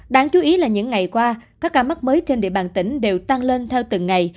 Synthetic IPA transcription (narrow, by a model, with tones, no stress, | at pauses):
ɗaː˧˦ŋt͡ɕu˨˦ʔi˨˦laː˨˩ɲɨ̰˧˥ŋːa˨˩jkwaː˧kaː˦˥kːaː˧mə˦˥t̚məː˨˦jt͡ɕe˧nɗḭ˧˨əɓaː˨˩nt̪ï˧˩ŋ̟ɗe˨˩wt̪a˧ŋle˧nt̪ʰɛ˧wt̪ɨ˨˩ŋːa˨˩j